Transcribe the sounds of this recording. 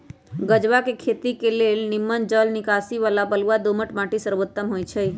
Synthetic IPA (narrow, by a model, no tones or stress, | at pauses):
ɡəd͡ʒʋakekʰet̪ikelelnɪmːənd͡ʒəlnikasiʋalabəluad̪oməʈmaʈisəɾʋot̪ːəmɦojt͡ʃʰəj